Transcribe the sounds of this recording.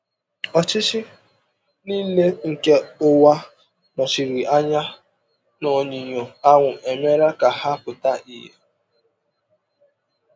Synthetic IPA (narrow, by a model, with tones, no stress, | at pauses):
ɔ˨t͡ʃɪ˦t͡ʃɪ˦ | niː˦le˦ŋ̩˨ke˦ʊ˦wa˦ | nɔ˨t͡ʃi˨ɾi˨a˦ɲa˦ | nɔ˨ɲi˨ɲo˨a˦ŋʷʊ˨ʔe˨me˦ɾa˦ka˨ha˦pʊ˨ta˦i˨ɦḛ˦